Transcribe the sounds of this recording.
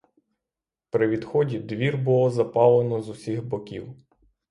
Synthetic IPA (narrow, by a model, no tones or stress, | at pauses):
pɾɪʋʲid̪xɔdʲid̪ʋʲirbʊlˠɔzɐpɑlˠenɔzʊsʲixbɔkʲḭw